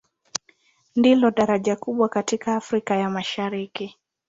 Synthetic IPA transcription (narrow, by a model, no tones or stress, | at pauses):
ndilɔɗaɾaʄakuɓwakatikaːfɾikajamaʃaɾiki